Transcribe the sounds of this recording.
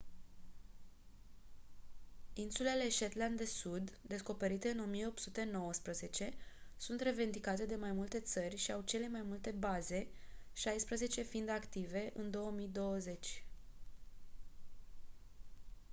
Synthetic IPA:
insule̞le̞ʃet̪land̪d̪esud̪ːe̞sko̞pe̞ɾit̪e̞ɨno̞mije̞o̞p̪sut̪e̞no̞wəspɾəze̞t͡ʃe̞sunt̪re̞ve̞nd̪ikat̪e̞d̪e̞majmult̪e̞t̪sərʲʃiawt͡ʃe̞le̞majmult̪e̞baze̞ʃajspɾəze̞t͡ʃe̞find̪akt̪ive̞ʔɨnd̪o̞əmijd̪o̞wəze̞t͡ʃʲ

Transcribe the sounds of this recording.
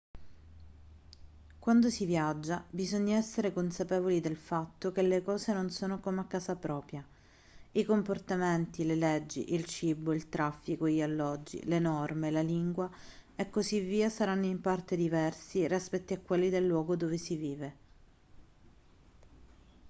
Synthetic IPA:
kwand̪osivjad͡ʒːabizoɲːaɛsːeɾekonsapɛːvolid̪elfat̪ːok̟elːekɔːzenonsoːnokomakːaːsapɾɔːpɾja | ikomport̪ament̪ileled͡ʒːḭʔilt͡ʃiboilt̪ɾafːikoiʎalːɔd͡ʒːḭlenɔrmelaliŋɡwaekːozivːiːasaɾanːoimpart̪ed̪ivɛrsirispɛt̪ːiakːwelːid̪elːwɔːɡod̪ovesiviːve

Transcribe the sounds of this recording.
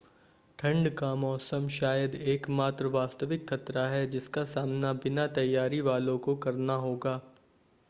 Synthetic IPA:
ʈʰɐ̃ɳɖkamɔːsəmʃaːjəd̪eːkmaːt̪ɾəʋaːst̪əʋɪkxɐt̪ɾaɦɛd͡ʒɪskasaːmnabɪnat̪ɐjːaːɾiʋaːlõkokɐɾnaɦoːɡaː

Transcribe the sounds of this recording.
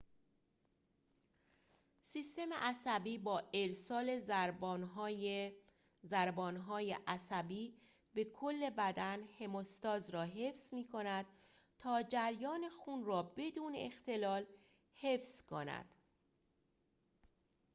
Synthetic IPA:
siːst̪e̞mḛʔæsæbiːbɒːeɾsɒːle̞ | zæɾbɒːnɦɒːjeʔæsæbiː | be̞kʰolːe̞bæd̪ænhe̞most̪ɒːzɾɒːɦe̞fsmiːkʰo̞næd̪̥̚ | t̪ʰɒːd͡ʒæɾjɒːne̞xuːnrɒːbe̞d̪uːnḛext̪e̞lɒːl | he̞fskʰo̞næ̰d̪̥

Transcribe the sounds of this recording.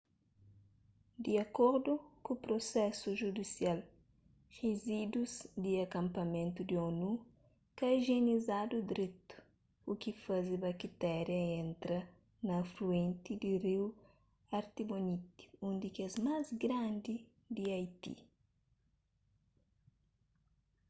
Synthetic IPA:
d̪iɐkoɾd̪ukupɾosɛsuʒud̪isial | ʁezid̪uzd̪iɐkɐ̃mpɐmẽnt̪ud̪ionu | kɐiʒenizad̪ud̪ɾet̪u̥ː | kifazibɐkit̪ɛɾjɐẽnt̪ɾɐ | nɐfluẽnt̪id̪iriw | ɐɾt̪ibonit̪i̥ũnd̪ikɛzmazɡɾãnd̪i | d̪iajt̪ḭ

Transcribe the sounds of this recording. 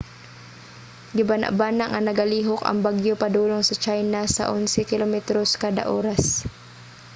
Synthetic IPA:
ɡɪbana̰ʔbaːnaŋʔɐnɐɡɐliːɦokɐ̰ŋbaɡjopɐd̪uːloŋsɐt͡ʃajnasa̰ʔʊnsɪkɪlomɛt̪ɾoskaːd̪ɐ̰ʔoːɾas

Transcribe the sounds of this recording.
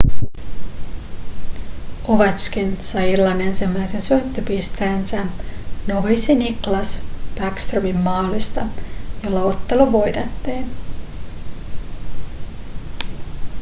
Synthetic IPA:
oʋɑt͡ʃkinsɑjilːɑne̞nsimːæjsensønt̪ːøpist̪æːnsænoʋisiniklɑsb̥ækst̪rømimːɑːlist̪ɑjolːɑo̞t̪ːe̞luʋo̞jt̪et̪ːiːn

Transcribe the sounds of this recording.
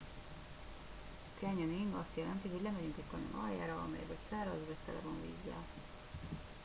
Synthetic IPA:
kɛɲɒniŋɒst̪jɛlɛnt̪iɦo̞ɟlɛmɛɟyŋkɛckɒɲonʔɒ̰ja̰ːɾɒɒ̰mɛ̰jɛbɛcsaːɾɒzɡɛst̪ɛ̰lɛ̰vonvḭːzːɒ̰

